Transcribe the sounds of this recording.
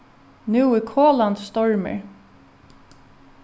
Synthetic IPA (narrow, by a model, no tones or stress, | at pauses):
nʉwɪkʰoːlant̪st̪ɔɹmɪ̰ɹ